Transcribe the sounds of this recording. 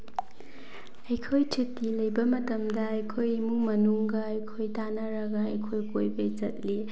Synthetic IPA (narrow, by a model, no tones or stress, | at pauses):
ɐjkʰojt͡ʃʰitːilɐjbɐmɐtɐmdɐɐjkʰojmuŋmɐnuŋɡɐɐjkʰojtanɐɾɐɡɐɐjkʰojkojbɐjt͡ʃɐt̚li